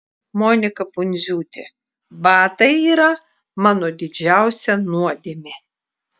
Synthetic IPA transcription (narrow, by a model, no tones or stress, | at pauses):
moːnʲɪkɐpʊnʲzʲuːt̪ʲḛ | bɑːt̪ɐɪiːɾɐ | mɑːnod̪ʲɪd͡ʒʲæˑʊsʲɛnuɔd̪ʲemʲɪ